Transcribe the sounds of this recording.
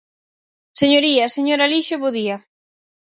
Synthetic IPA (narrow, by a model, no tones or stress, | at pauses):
seɲoɾiaseɲoɾaliʃoβoðia